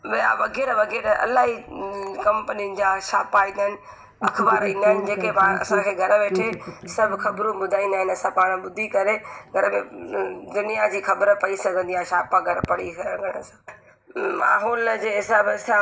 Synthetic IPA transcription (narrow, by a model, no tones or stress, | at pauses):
ʋija̰ʋɐɡɛːɾəʋɐɡeːɾəɐ̰laːɦikɐ̃mpəniənɪ̆d͡ʑaʃaːpaĩːnd̪əɦɪnɪ̆ | ɐkʰbaːɾĩːnd̪aːɦɪnɪ̆d͡ʑeːkepaːɐ̰sãkʰeːɡʱɐɾəʋeːʈʰesɐbʱɪxɐbɾũbʊd̪ʱaːĩnd̪aːɦɪ̃nɐsãpaːɽ̃ɓʊd̪ʱikɐɾeɡʱɐɾəmẽd̪ʊnijad͡ʑiːxɐbəɾəpɐisɐɡʱə̃nd̪iãʃaːpãɡʱɐɾəpɐɽisɡʱɐɽ̃əsãː | ma̰ːɦɔːld͡ʑeːɦɪsaːbsã